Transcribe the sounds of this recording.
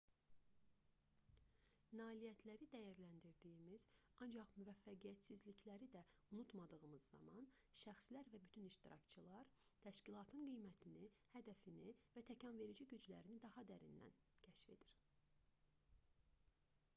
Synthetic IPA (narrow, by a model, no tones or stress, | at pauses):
nɑːlijæt̪ʰlæɾid̪æjæɾlænd̪iɾd̪ijimiz̥ɑnd͡ʒɑχmyvæfːæɡijæt̪sizliclæɾid̪æunut̪mɑd̪ɯɣɯmɯzːɑ̰mɑnʃæxslæɾvæbyt̪ʰyniʃt̪iɾɑ̰kt͡ʃʰɯlˠɑɾ | t̪ʰæʃcilˠɑt̪ʰɯnɡijmæt̪ʰinihæd̪æfinivæt̪ʰæcʰɑnve̞ɾid͡ʒiɟyd͡ʒlæɾinid̪ɑhɑd̪æɾḭnd̪æ̰n | cʰæʃfe̞̰d̪̥iɾ̥